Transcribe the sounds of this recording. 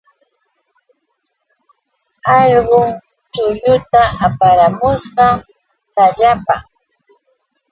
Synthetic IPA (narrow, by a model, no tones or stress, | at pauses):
ɑʎɢʊŋ | t͡ʃʊʎʊt̪aʔapaɾamʊsɢɑ | kaʎapa